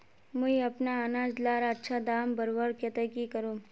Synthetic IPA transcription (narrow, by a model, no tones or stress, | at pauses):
muiɐpnaənaːd͡ʒlaːɾaːtːʃʰad̪aːmbəɾʋəɾkjɐt̪əkikəɾũː